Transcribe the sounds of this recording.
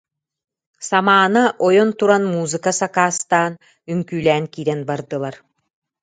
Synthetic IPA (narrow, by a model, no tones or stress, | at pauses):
samaːnaʔɔjɔnt̪uɾanmuːzɨkasakaːst̪aːn | yŋkyːlʲɛːnkiːɾɛnbaɾd̪ɯlˠaɾ